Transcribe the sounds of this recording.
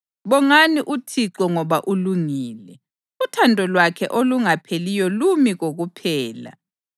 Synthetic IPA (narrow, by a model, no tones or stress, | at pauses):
βɔŋaniʔutʰiǁɔŋɔβaʔuluŋiːlɛ | utʰandʱɔlwakʰɛ̰ʔoluŋapʰelijɔlumiɣoɣupʰɛːla̰